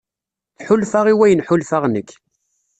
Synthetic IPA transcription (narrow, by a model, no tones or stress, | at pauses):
θħʊlfaʁiwæjənħʊlfaʁnəkː